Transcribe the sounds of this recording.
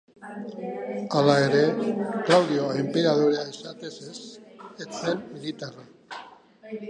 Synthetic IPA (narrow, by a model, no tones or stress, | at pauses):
alaeɾeklawðjoempeɾaðoɾeaesat̪eseset̪senmilit̪ara